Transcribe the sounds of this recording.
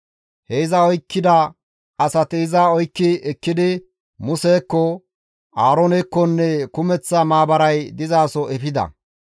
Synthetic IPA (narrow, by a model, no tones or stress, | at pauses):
hɛɪzɐɔjkːɪd̪ɐ | ɐsɐt̪ɪɪzɐɔjkːɪɛkːɪd̪ɪ | mʊseːkːɔ | aːɾɔnɛkːɔnːɛkʊmɛt͡sːɐmaːbɐɾɐjd̪ɪzaːsɔʔɛpɪd̪ɐ̰